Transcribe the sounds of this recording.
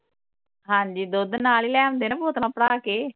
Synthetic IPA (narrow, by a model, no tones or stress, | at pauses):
ɦãːɲd͡ʒiːd̪od̪naːliːlɛːñnd̪eːnãːboːt̪nãːpəɽaːkeː